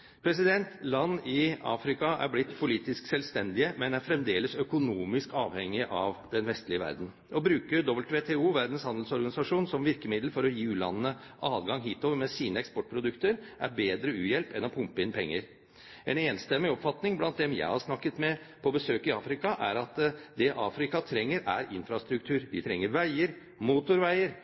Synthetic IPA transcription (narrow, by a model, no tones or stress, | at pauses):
pʰɾɛs̬ɪd̪ɛnt̪lɑnːɪɑ̰ːfɾɪkɑʔæ̰ɾblɪt̪ːpʰʊliːt̪ɪsksɛlʋst̪ɛnd̪ɪəmɛnæɾfɾɛmd̪eːləsœkʊnuːmɪskɑːʋhɛŋːɪʔɑʋd̪ɛnʋɛst̪lɪəʋæ̰ɾd̪n̩ | ʔɔbɾʉːkəɾd̪ɔbəlt̪ʋeːt̪ʰeuːʋæɾd̪n̩shɑnd̪l̩sɔɾɡɑnɪsɑʂuːnsɔmʋɪɾkəmɪd̪lfɔɾɔjiːʉːlɑ̰nəːəʔɑːd̪ɡɑŋɦiːt̪oːʋəɾmɛsiːnəɛkspɔʈ̚ːpʰɾʊd̪ʉkt̪əɾʔæ̰ɾbeːd̪ɾəʉːjɛlpɛnɔpʰʊmpəɪnpʰɛŋːəɾ | ɛneːnst̪ɛmːɪɔpfɑt̪nɪŋblɑnt̪̚d̪ɛmjæ̰ɪhɑɾʂnɑkːət̪mɛ | pʰɔbəsøːkɪɑːfɾɪkɑʔæɾɑt̪d̪ɛʔɑːfɾɪkɑt̪ʰɾɛŋːəɾæ̰ɾɪnfɾɑst̪ɾʉk̚t̪ʰʉːɾʋ̪ɪ̰t̪ʰɾɛŋːəɾʋæɪəɾ | muːt̪ʊɾʋæɪəɾ